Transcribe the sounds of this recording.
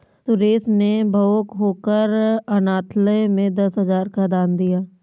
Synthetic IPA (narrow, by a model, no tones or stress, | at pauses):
sʊɾeːsnebʱəokɦoːkəɾɐnaːt̪ʰləmẽd̪ɐsɦəzaːɾkad̪aːnd̪ijaː